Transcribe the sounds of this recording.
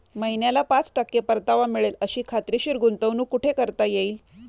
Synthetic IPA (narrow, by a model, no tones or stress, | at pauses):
məɦinjalapat͡sʈakːepəɾt̪aʋamiɭeləɕiːkʰat̪ɾiɕiɾɡunt̪əʋnuːkuʈʰekəɾt̪ajeiːl